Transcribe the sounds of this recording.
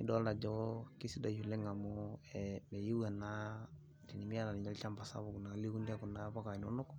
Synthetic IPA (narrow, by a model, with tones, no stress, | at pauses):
ni˦dɔ˦lda˨d͡ʒɔki˦si˦da˨ju˨le˦ŋa˨moɛmɛ˨ji˦wa˨na˦ | ti˨ni˨mi˦a˦la˨ni˨ɲa˦lt͡ʃa˦mba˨sa̰˦boku˨na˨li˦ku˦ndi˦a˦ku˨napa˦ka˨no˦no˦k